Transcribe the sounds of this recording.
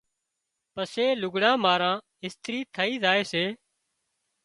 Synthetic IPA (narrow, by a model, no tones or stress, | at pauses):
pəseːlʊɡɽãːmaːɾãː | ɪst̪ɾiːt̪ʰəiːzaːeːseː